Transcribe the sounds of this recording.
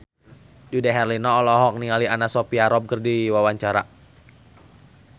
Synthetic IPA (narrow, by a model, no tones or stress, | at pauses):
d͡ʒudaɦɛrlinɔːlɔɦɔk̚nialianasɔpiaɾɔp̚kərdiwawaɲt͡ʃaɾa